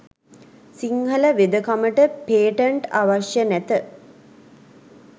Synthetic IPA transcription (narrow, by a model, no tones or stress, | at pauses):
siŋɦələʋed̪əkaməʈəpeːʈəɳʈaʋaʃjənæt̪ə